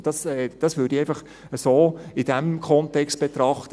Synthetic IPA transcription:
d̥ɑsɛd̥ɑsʋʉːɐdiɛɪfɑχ | əsoːɪd̥ɛmkʰɔntɛkst̚b̥et̪ɾɑχtə

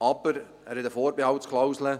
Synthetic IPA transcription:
ɑbəɾ | æːɾhɛtəfɔːɾbehɑwtskʰlawslə

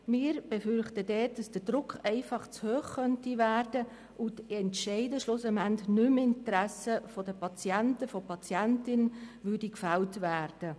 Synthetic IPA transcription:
mɪːɾb̥ɛfʏrχtədɛːt̚d̥ɑsd̥ədrʊkχɛɪfɑχt͡shøːχkœntivæːrd̥ə | ʔʊtɛntʃɛɪdəʃlɔsəmæntnʏmɪntɾæsəfɔdəpɑt͡sjɛntəfɔpɑt͡sjɛntɪnvʏrdikfæltvæːrd̥ə

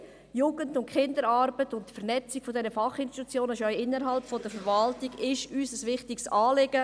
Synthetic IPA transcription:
juːɡ̥əndʊntkʰɪndəɾɑɾb̥ətʊntfərnɛt͡sikfɔdɛnəfɑχɪnʃti̥t̪ut͡sjoːnəʃœʏɪnːəɾɦɑlpfɔd̥əɾfəɾʋɑltiɡɪʃyːsəsʋɪχtiksɑːlɪɡə

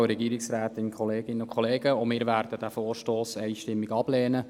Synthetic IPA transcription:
ɾɛɡiːɾɪksɾæːt̪ɪnkʰχɔleːɡɪnːəʊkχɔleːɡ̥əʊmɪːɾvæːrdəd̥æfoːrʃtoːsɛɪʃtɪmːiɡɑb̥lɛːnə

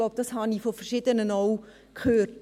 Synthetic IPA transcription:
oʊb̚d̥ɑshɑnifofərʃɪdənənoʊ | kʰhøːt

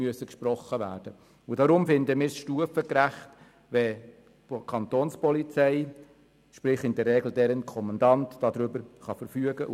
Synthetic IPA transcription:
yəsəkʃpɾɔχːəʋæ̰ːɾd̥ə | ʊdɑɾʊmfɪnd̪əmiːɾsʃtuəfəkɾæχt | ʋɛ | kʰɑnt̪oːnspɔlit͡sɛɪ | ʃpɾɪχɪndɛrːɛɡl̩dɛɾənkʰɔmɑndɑntd̥ɑdɾʏbəɾχɑfəɾfyəɡəʔ

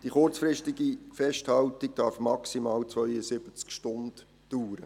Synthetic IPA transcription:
d̥iχʊrt͡sfrɾɪʃtiɡifɛʃthɑltiɡ̚d̥ɑɾfmɑksimɑːlt͡sʋœʏəsɪb̥ət͡skʃtʊnd̥ | d̥uːɾə

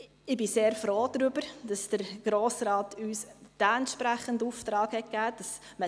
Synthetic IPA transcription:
ɪbiseːɾfɾoːd̥ɾybəɾd̥ɑsd̥əɾɡ̥ɾoːsɾɑːtyːsd̥aɛntʃpɾæχənduːftɾɑːkhɛt̚kæːd̥ɑs | mə

